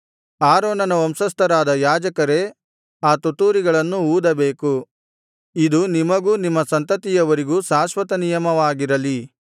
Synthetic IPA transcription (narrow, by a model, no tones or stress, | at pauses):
aːɾoːnɐnɐɐmsɐst̪ɐɾaːd̪ɐjaːd͡ʒɐkɐɾe̞ | aːt̪ut̪uːɾiɡɐɭɐnːuuːd̪ɐbeːku | id̪unimɐɡuːnimːɐsɐnt̪ɐt̪ijɐʋɐɾiɡuːsaːsʋɐt̪ɐnijɐmɐʋaːɡiɾɐli